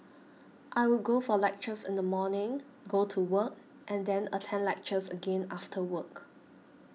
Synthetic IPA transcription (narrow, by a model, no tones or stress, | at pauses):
ʔaɪwɪlɡofɔlɛk̚t͡ʃəsɪ̰̃ndəmɔnɪ̃ŋ | ɡotʰuwək̚ | ʔɛ̃ndɛ̃nə̰tʰɛ̃nlɛk̚t͡ʃəsəɡẽnaftʰəwək